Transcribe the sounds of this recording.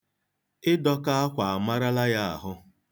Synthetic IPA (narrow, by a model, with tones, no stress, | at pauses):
ɪ˦dɔ˦ka˦a˦kʷa˨a˨ma˦ɾa˦la˦ja˦a̰˨ɦʊ˦